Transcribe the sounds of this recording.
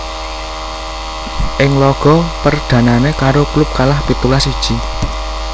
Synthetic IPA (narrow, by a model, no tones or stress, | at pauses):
ʔɪŋlɔɡ̥ɔ̤pərɖ̪̥ä̤nanekaɾoklʊp̚kalahb̥i̤t̪ulasid̥ʒ̥i